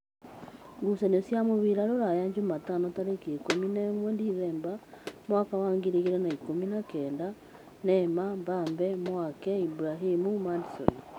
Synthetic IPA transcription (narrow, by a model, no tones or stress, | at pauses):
ŋɡusanosjamoβiɾaɾoɾajaɲd͡ʒumatanotaɾekekominɛmwɛndiðɛːmbamwakawaːŋɡiɾiɣeɾɛnaikominakɛːnda | nɛmambambɛmwakɛibuɾaɦimumadisɔ̰ni